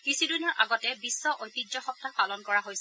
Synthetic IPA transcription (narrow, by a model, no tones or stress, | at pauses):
kɹisidunɔɹʔa̰ɡɔtɛbisːɔʔojtizɔxɔp̚tapalɔnkɔɹaɦojsɛ